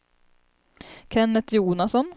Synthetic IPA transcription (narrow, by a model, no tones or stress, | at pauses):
kʰɛnːət̪ʰjuːnasɔn